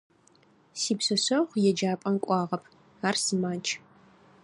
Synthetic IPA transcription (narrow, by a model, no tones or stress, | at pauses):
siːpsɐɕɐʁʷjɛd͡ʒaːpʼɐnkʷʼɑːʁɐpʰ | aːrsɨmaːt͡ʃʼʰ